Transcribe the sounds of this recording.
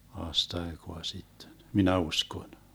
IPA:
ɑːstɑekoɑ sitːen minæ usʲkon

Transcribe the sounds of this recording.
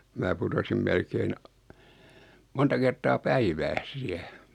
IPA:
mæː putosim melkein ɑ montɑ kertˑɑː pæiʋæːs siæ

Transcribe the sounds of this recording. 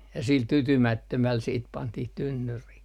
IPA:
jɑ sil tytymætːømæl siːt pɑntih tynːyrih

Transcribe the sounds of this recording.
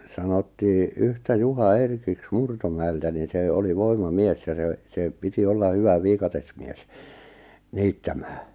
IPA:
sɑnotːiː yhtæ juhɑ erkiks murtomæeltæ nin̞ se oli ʋoimɑmies jɑ se se piti olːɑ hyʋæ ʋiːkɑtesmies niːtːæmæː

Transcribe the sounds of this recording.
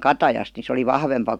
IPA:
kɑtɑjɑst ni se oli ʋɑhʋempɑ

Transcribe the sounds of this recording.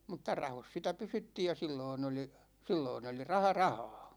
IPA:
mutːɑ rɑhos sitæ pysytːiːj jɑ silːoin oli silːoin oli rɑhɑ rɑhɑː

